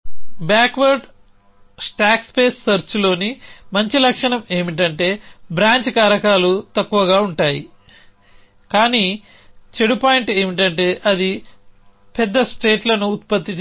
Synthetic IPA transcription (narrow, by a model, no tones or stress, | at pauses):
baːkʋɐɾɖ | sʈaːkspe̞ːsːɐɾt͡ʃulo̞ːnimɐɲt͡ʃilɐkʂɐɳɐme̞ːmiʈ̬ɐɳʈe̞ːbɾaːɲt͡ʃkaːɾɐkaːlut̪ɐkːuʋɐɡaːuɳʈaːji | kaːniː | t͡ʃe̞ɽupaːjiɳʈe̞ːmiʈ̬ɐɳʈe̞ːʔɐd̪i | pɛd̪ːɐsʈe̞ːʈlɐnuːt̪̚pɐt̪ːit͡ʃ